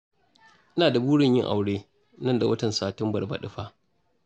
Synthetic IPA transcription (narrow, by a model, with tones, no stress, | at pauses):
ʔɪ˦naː˨da˨buː˦ɽɪ˦˨ɲjɪ˦ŋʔa˨wɽeː˦ | nɐ˦nda˨wɐ˦tɐ˨nsaː˨tɪ˦mbɐ˨rba̰˨ɗɪ˦ɸaː˦